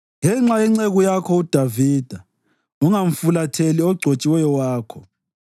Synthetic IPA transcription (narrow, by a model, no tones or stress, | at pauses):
ŋɛŋ͡ǁajɛŋ͡ǀeɣujakʰɔud̥ʱaviːd̥ʱa | uŋaɱ̩fulatʰeliɔɡ͡ǀʱot͡ʃʼiwɛjɔwaːkʰɔ